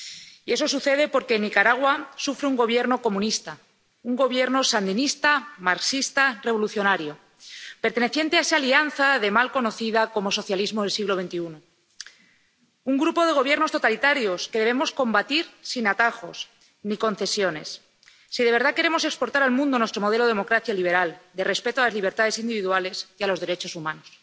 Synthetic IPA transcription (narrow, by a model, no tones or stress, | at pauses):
ie̞so̞suθe̞ð̞e̞po̞ɾke̞nikaɾaɣwasufɾeuŋɡo̞β̞je̞ɾno̞ko̞mũnist̪a | uŋɡo̞β̞je̞ɾno̞sand̪inist̪amaɾksist̪are̞β̞o̞luθjo̞naɾjo̞ | pe̞ɾt̪e̞ne̞θje̞nt̪eaesalianθaðe̞malko̞no̞θiðako̞mo̞so̞θjalizmoðelsiɣloβe̞nt̪iuno | uŋɡɾupo̞ð̞e̞ɣ̞o̞β̞je̞ɾno̞st̪o̞t̪alit̪aɾjo̞ske̞ðe̞β̞e̞mo̞sko̞mbat̪iɾsinat̪axo̞̰s | niko̞n̟θe̞sjo̞ne̞̰sː | iðeβe̞ɾð̞ake̞ɾemose̞kspo̞ɾt̪aɾalmũnd̪o̞nwest̪ɾo̞moðelo̞ð̞emo̞kɾaθjaliβe̞ɾald̪e̞re̞spe̞t̪oalazliβ̞e̞ɾt̪aðe̞sind̪iβiðuale̞sialo̞zðe̞ɾe̞t͡ʃo̞sumãnos